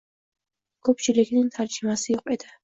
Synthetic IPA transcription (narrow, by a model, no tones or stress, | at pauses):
ɡ̥ɔpt͡ʃiɾɛkʰinint̪ʰaɾt͡ʃimasiːqʼwɛd̪a